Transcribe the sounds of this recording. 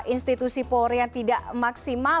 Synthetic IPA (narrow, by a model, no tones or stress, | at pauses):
ʔinst̪it̪usipɔɾjaŋt̪idaʔmaksima